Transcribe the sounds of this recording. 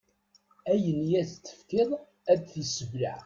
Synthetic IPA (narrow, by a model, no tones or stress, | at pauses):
æjənjæðt͡sːə̥fkɪðˤ | æd̪θisəvɾa̰ʕ